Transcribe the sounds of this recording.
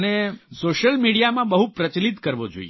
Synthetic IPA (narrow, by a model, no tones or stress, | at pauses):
nesoʃəlmiɽijamãbəɦupɾət͡ʃlit̪kəɾʋod͡ʒo̰ḭe